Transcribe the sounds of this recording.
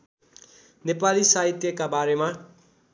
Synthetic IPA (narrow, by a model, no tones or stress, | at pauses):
nepalisaɦit̪jʌkabaɾema